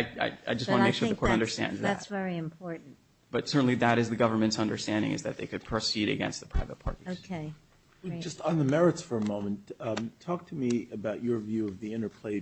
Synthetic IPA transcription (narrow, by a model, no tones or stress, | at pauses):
aɪa̰ɪa̰ɪd͡ʒʌstwɑ̃nəmeɪkʃʊɹðɨkʰɔɹɾʌ̃ndə˞stæ̰̃ndzðæt̚vɛɹiɨ̃mpʰɔɹʔn̩ | b̥ʌtsɜ˞ʔn̩liðɨɾɨzðɨɡʌvə˞mɨ̃ntsʌ̃ndə˞stæ̃ndɪ̰̃ŋɨ̰zðɨt̪̚ðeɪkʰɨd̚pʰɹ̥ɨsiɾɨ̰ɡɛ̰̃nst̪̚ðə̥pʰɹ̥aɪvət̚pʰɑ̰ɹɾioʊ̥kʰeɪ | id͡ʒʌstn̩ðəmɛɹɨtsfə˞əmõʊ̃mɨ̃nttʰɔk̚tʰɨmiɨbaʊt͡ʃə˞vjʉʌvðiɪ̃ɾ̃ə˞pʰl̥eɪ